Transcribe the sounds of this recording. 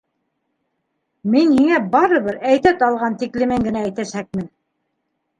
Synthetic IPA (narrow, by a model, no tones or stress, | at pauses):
minhiŋæbɑɾɤ̆βɤɾæjt̪æt̪ɑlˠʁɑnt̪iklɘ̆mɘŋɡɘ̆næːjt̪æʃæk̚mɘn